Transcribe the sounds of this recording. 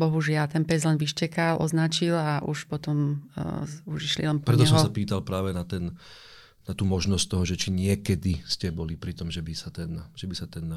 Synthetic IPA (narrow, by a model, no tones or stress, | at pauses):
bɔɦuʒɪalt̪ɛnpɛzlɛnʋiʃcɛkalʔɔ̰znat͡ʃilaʔṵʃpɔt̪ɔm | uʒiʃlḭlɛnpɾɛt̪ɔɛsɦɔɔssapiːt̪alpɾaːʋɛnat̪ɛn | nat̪uːmɔʒnɔsc̚t̪ɔɦɔʒɛt͡ʃiɲɪɛkɛd̪iscɛbɔlipɾit̪ɔmʒɛbisat̪ɛnʒ̥ɛbisat̪ɛn